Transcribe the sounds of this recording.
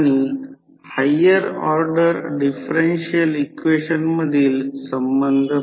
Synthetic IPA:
ni | hɐjːɐɾaːɾɖɐɾɖɪfɐɾenʂijɐlɪkʋeːʂɐnmɐðijlsɐmbɐnd̪ʱɐ

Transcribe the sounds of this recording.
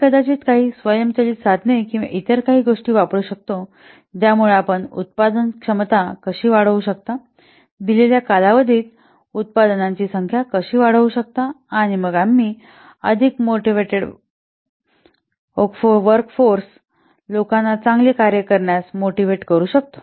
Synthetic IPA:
kəd̪at͡ɕiːt̪kaɦiːsʋəjəmt͡ɕaliːsad̪ʱnekĩʋa̰ʔit̪əɾkaɦiːɡoʂʈiːʋapɽuːɕək̚t̪o | d͡ʑ̪jamuɭeapəɳṵt̪̚pad̪ənkʂəmt̪akəɕiːʋaɽ̤əʋuɕək̚t̪a | d̪ileljakalaʋəd̪ʱiːt̪ | ut̪̚pad̪nãɲt͡ɕiːsəŋkʰjakəɕiːʋaɽ̤əʋuɕək̚t̪aː | ɽ̃iməɡamːiː | ə̰d̪ʱikmoʈiʋeʈeɽ | kfoʋəɾkfoɾs | lokanːat͡sãŋɡlekaɾjəkəɾɳjasmoʈiʋeʈkəɾuːɕək̚t̪o̥

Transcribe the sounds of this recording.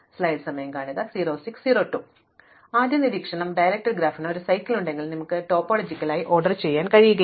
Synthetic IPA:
slɐjlsɐmɐjɐmkaːɳiðɐsiːɾo̞ːsikssiːɾo̞ːʈːu | aːd̪jɐniɾiːkʂɐɳɐmɖɐjɾɐk̚ʈːɐrɡɾaːfinoɾusɐjkːiluɳɖe̞ŋɡilnimukːɨʈo̞ːpːoːɭod͡ʑikʲːɐlaːjiʔo̞ːrɖɐrt͡ɕe̞jːaːnkɐɻijuɣɐ

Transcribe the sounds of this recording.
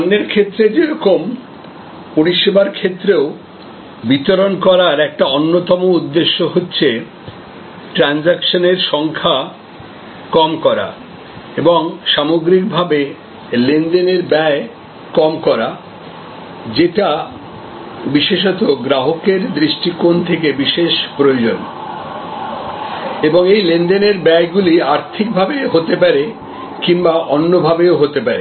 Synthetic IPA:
nːeɾkʰet̪ːɾed͡ʑeɾɔkom | poɾiʃebaɾkʰet̪ːɾeo | bit̪oɾonkɔɾaɾɛk̚ʈaonːot̪ɔmoud̪ːeʃːoɦotːɕʰe | ʈɾand͡ʑakʃoneɾʃɔŋkʰa | kɔmkɔɾa̰ | eboŋʃamoɡɾik̚bʱabe | lend̪eneɾbɛe | kɔmkɔɾa | d͡ʑeʈa | biʃeʃɔt̪oɡɾaɦokeɾd̪ɾiʃʈikont̪ʰekebiʃeʃpɾojod͡ʑon | eboŋejlend̪eneɾbɛeɡuliaɾt̪ʰik̚bʱabeɦot̪epaɾe | kiŋbaʔonːobʱabeoɦot̪epaɾḛ

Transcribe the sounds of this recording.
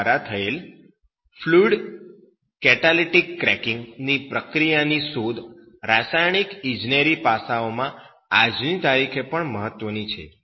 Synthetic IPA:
ɾat̪ʰəel | fʰluɖ | kɛʈaliʈikːɾɛkɪ̃ŋɡnipɾəkɾijanisod̪ | ɾasajɳ̃ikɪ̃d͡ʒneɾipasaomã | ad͡ʒnit̪aɾikʰepəɳməɦət̪ːʋənit͡ʃʰḛ

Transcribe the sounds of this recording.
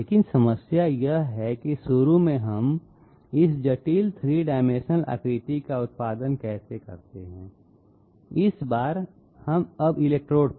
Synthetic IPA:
leːkɪnsɐməsjajɐɦɛkisʊɾumẽɦɐm | ɪsd͡ʒɐʈiːlt̪ʰɾiɖaːɪmeːʃəəlʔə̰kɾiːt̪ikaʊt̪̚paːd̪ənkɛːsekɐ̰ɾt̪eɦɛ̃ː | ɪsbaːɾ | hɐmɐbɪleːk̚ʈɾoːɖ

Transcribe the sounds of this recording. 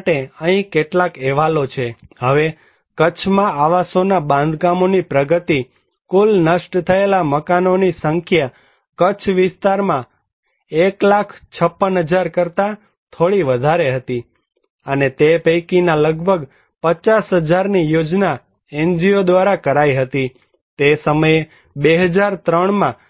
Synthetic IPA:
ʈeəɦĩkeʈlakɛʋalot͡ʃʰeɦəʋe | kət͡ʃʰmãaʋasonabãnd̪ɡamonipɾəɡət̪i | kulnəʃʈt̪ʰəelaməkanonisəŋkʰja | kət͡ʃʰʋɪst̪aɾmã | eklakʰt͡ʃʰəpːənɦəd͡ʒaɾkəɾt̪a | t̪ʰoɭiʋəd̪ʱaɾeɦət̪i | ənet̪epəjkinaləɡbʱəɡ | pət͡ʃasɦəd͡ʒaɾnijod͡ʒna | end͡ʒiod̪ʋaɾakəɾaiɦət̪i | t̪esəməje | beɦəd͡ʒaɾt̪ɾəɳ̃mã

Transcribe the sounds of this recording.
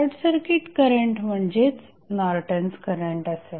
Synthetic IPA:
ɾʈsəɾkiʈkəɾəɳʈm̤əɳd͡ʑet͡s | naɾʈənskəɾəɳʈəse

